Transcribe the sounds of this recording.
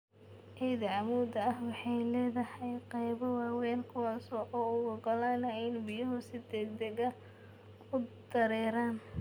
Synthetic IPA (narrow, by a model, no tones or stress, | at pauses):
ʔɛjðɐʕɑmuːd̪ɐɐhwɑħɑjlɛːðɐhɑjqɑjβɔwɑːwɛːnkʰʊwɑːsɔʔɔːʊɣʊɡɐlaːnɐɛnbɪjɐɦʊsɪd̪ɛɡ̚d̪ɛɣɐ | ʊd̪̥ɐɾɛːɾaːn